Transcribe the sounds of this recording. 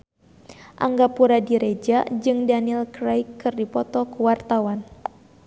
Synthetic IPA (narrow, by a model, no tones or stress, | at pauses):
ʔaŋɡapuɾadiɾed͡ʒad͡ʒɨŋdanilkɾajkːɨrdipɔt̪ɔkuwart̪awan